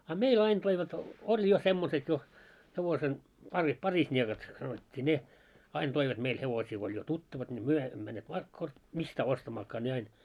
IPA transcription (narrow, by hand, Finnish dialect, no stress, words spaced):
ɑ meil ɑin toiʋɑt olʲ jo semːoset jo heʋosen pɑri pɑrisnʲiekɑt sɑnotʲːiː ne ɑin toiʋɑt meil heʋosiː ko olʲ jo tutːɑʋɑt nʲi myø emːø mænːeːt mistæː ostɑmɑːkːɑː ne ɑin